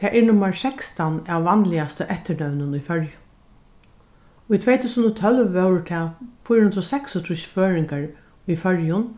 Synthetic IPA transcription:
t̪ʰɛːʔɛɹnʊmːaɹsɛkst̪anaʋːanlɪast̪əʔɛht̪əɳœwnʊnʊjfœɹjʊ | ʊjt̪ʰvɛːjt̪ʰuːsənɔt̪ʰœlʋːɛwɹt̪ʰɛːfʊjɾʊhɪnt̪ɾɔsɛksɔt̪ʰɾʊʃføːɹɪŋkaɹ | ijfœɹjʊn

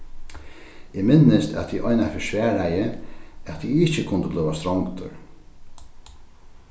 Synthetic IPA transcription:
ɪːmɪnːɪst̪ɛ̰t̪ʰiʔɔjnafɪʃʋæːɾajəat̪ʰiɪht͡ʃəkʰʊnd̪əblʏwast̪ɾɔŋkt̪ʏ̰ɹ

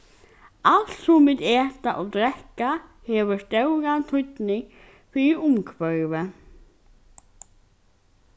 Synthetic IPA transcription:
alt̪sʊmvɪðɛːt̪aʔɔd̪ɾɛkahɛːvʏʂt̪œwɣant̪ʰʏt̪nɪŋ | fiʊmkʰvœɾvɛ

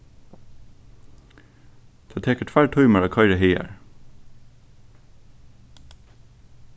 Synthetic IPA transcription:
d̪̥oːt̪ʰeːkəʈʰʋæːɹʈʰɑʏməɹɑːkʰɑɪɾəheɪə̰ɹ

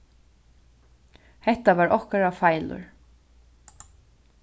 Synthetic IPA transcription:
hɛht̪aʋaːɹɔhkaɾafajlʊ̰ɹ

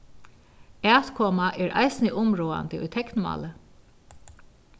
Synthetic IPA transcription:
æːt̪kʰɔːmaʔɛːɹʔa̰jsɪnɪʔʊmɹɔːa̰nt̪ɪʊ̰jt̪ʰɛknmɑ̰ːlə

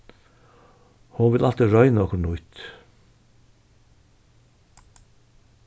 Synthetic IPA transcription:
hunʋɪlʔɑlt̪əɹœʏnoːkɳʊʏt̪

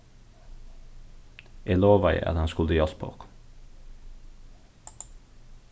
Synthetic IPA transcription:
iːloːʋæɪ̰ʔæ̰ːd̪ɛnskʊld̪iɑspʰo̰k

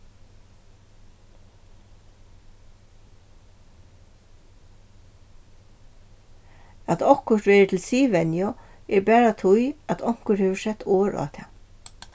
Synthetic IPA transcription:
at̪ɔhkʊʂt̪ʋɛːɹət̪ʰɪlsiːʋɛnjɔɛɹbɛːɹat̪ʰʊjat̪ʰɔŋ̥kəɾheːʋəsɛt̪ʰːoːɹa̰ːt̪ʰɛ̰ː

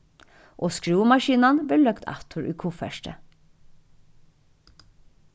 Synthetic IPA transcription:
ʔoːskɹʉːmɑʃiːnɑnbeːlœkt̪ʰɑ̰t̪ʰʊɹʔʉ̰ːkʰʊfæ̰ʃʈə̰

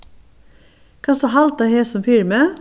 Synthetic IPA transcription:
kʰɑːsɔɦɑlt̪ɑheːsɔmfɪɾmə

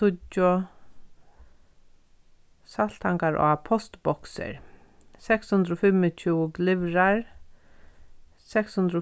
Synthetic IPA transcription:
sʊt͡ʃːʊ | sal̥t̪ʰaŋkaɹʔɔ̰apʰɔst̪bɔksɪ̰ɹ | sɛkshʊnd̪ɾɔfɪmːɪt͡ʃʰuːɡlɪʋɾaɹ | sɛkshʊnd̪ɾɔ

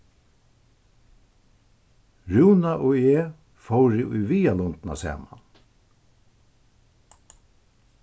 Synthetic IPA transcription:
ɹʉːnaʔoːeː | fɔwɾɪʔʊjviːalɔnt̪na̰sɛ̰ːma̰n

